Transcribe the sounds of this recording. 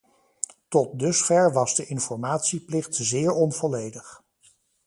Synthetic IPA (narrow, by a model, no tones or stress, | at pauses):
tɔt̚dɵsfɛɹʋɑzdəʔɪnfɔɹmaːtsiplɪχtzɪːɹɔnv̥ɔlejdəχ